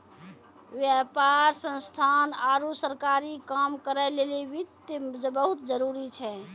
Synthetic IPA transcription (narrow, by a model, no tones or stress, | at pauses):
ʋjapaɾsə̃nst̪ʰanaɾusəɾkaɾikamkəɾɛleliʋit̪d͡ʒbəɦut̪d͡ʒəɾuɾit͡ʃʰɛ